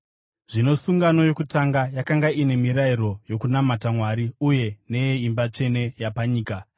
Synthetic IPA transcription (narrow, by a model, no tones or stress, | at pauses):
ʐ̥ino̞suŋɡano̞jo̞kutaŋɡajakaŋɡaine̞miɾaiɾo̞jo̞kunamatamwaɾiuje̞ne̞jeimbat͡ʂe̞ne̞japaɲiːka